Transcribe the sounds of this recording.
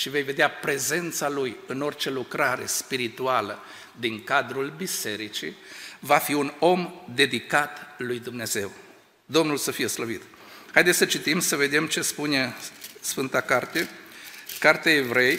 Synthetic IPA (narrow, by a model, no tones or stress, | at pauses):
ʃive̞jve̞d̪eapɾe̞ze̞nt̪salujɨno̞rt͡ʃe̞lukɾaɾe̞̰spiɾit̪ualə | d̪iŋkad̪ɾulbise̞ɾit͡ʃḭvafiuno̞md̪e̞d̪ikat̪lujd̪umne̞ze̞w | d̪o̞mnulsəfije̞sləvit̪ | hajd̪esʲsət͡ʃit̪imsəve̞d̪e̞mt͡ʃe̞spune̞sfɨnt̪akart̪e̞ | kart̪eaevɾe̞j